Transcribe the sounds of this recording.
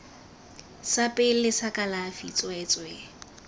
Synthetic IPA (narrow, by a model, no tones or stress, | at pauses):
sapʼɪl̩lɪsakʼalafit͡sʼwɛt͡sʼwɛ